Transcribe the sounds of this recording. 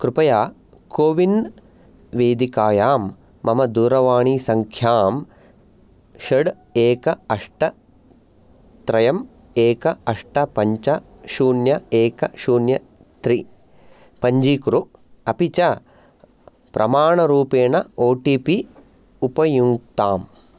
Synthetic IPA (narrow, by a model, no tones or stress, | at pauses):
kɾupɐjaː | koːʋin | ʋeːd̪ikaːjaːmː | ɐmɐd̪uːɾɐʋaːɳiːsɐŋkʰjaːm | ʃɐɖ | eːkɐɐʂʈɐ | t̪ɾɐjɐm | eːkɐɐʂʈɐpɐɲt͡ʃɐ | ʃuːnjɐeːkɐʃuːnjɐ | t̪ɾi | pɐɲd͡ʒiːkɾu | ɐpit͡ʃɐ | pɾʔɐmaːɳɐɾuːpeːɳɐoːʈiːpi | upɐjuŋk̚t̪aːm